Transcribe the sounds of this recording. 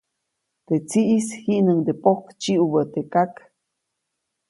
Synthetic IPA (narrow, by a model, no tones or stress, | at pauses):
t̪et͡siʔishiʔnəŋd̪epohkt͡ʃiʔubət̪ekak